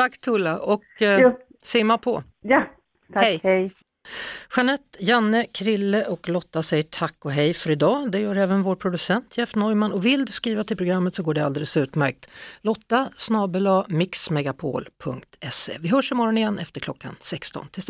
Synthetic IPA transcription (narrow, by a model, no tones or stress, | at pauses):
t̪ʰakːt̪ʰulːaʔɔk | sɪːmapʰɔ̰ | ja | t̪ʰhɛjhɛj | ɧanɛt̪ːjanːəkʰɾɪlːəʔɔklɔt̪ːasɛjːəʈʰakːɔɦɛjfœɾɪd̪ɑːd̪ɛjœːɾɛːvənvoːɾpʰɾʊd̪ɵsɛnt̪ʰjɛfnɔjmanʔɔvɪld̪ɵskɾiːvat̪ʰɪlpʰɾʊɡɾamːət̪sɔɡoːɖɛald̪eːləsʉ̟ːt̪mæɾk̚t̪lɔt̪ːasnɑːbəlamɪksmɛɡapʰo̰ːlpʰɵŋkt̪ʰɛsḛːvɪɦœːʂɪmɔɾɔnɪjɛnːʔɛft̪əɾklɔkːa̰nsɛkst̪ɔ̰nt̪ʰɪ